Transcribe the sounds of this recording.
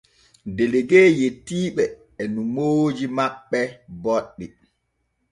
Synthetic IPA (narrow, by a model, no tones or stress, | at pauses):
deleɡeːjetːiːɓɛ | ɛnumoːd͡ʒimaɓːɛbɔɗːi